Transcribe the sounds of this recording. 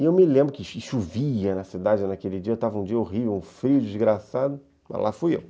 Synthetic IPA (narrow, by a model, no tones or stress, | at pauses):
ɪewmɪlẽmbɾʊkɪʃʃuviɐnɐsid̪ad͡ʒɪnakelɪd͡ʒiɐewt̪avɐũd͡ʒiɐoʁivewũfɾiʊd͡ʒizɡɾasad̪ʊ | mɐ̰zla̰fujḛw